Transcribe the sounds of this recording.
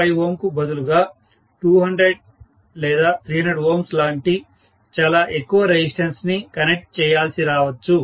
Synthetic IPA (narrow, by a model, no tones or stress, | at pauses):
ɐjoːmkubɐd̪uluɡaː | ʈuːɦɐɳɖɾeɖ̚ | lɛːd̪aːt̪ɾiːɦɐneɖoːmslaːɳʈi | t͡ʃaːlaːʔekːuʋɐɾed͡ʑisʈɐnsnikɐnek̚ʈ̚t͡ʃɛːjaːlsiɾaːʋɐt͡ʃːu